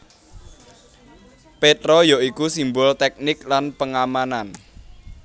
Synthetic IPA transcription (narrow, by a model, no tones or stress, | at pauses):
pet̪ɾɔjɔʔikusimbʊlt̪ɛk̚nɪklanpəŋamanan